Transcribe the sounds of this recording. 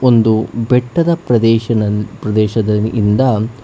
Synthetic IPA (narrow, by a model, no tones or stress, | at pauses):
ond̪ubɛʈːɐd̪ɐpɾɐd̪ɛːʃɐɐpɾɐd̪ɛːʃɐd̪ɐḭnd̪ɐ